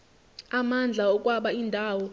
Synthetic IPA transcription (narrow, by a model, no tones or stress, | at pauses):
amand͡ɮʱaɔk̬ʼwaɓaindʱaːwɔ